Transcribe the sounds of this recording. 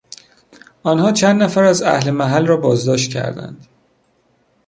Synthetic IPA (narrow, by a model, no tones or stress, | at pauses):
ɒnhɒːt͡ʃʰænd̪næfæɾæzæ̰hlemæɦælrɒːbɒːzd̪ɒːʃt̪cʰæ̰ɾd̪æ̰nd̪̥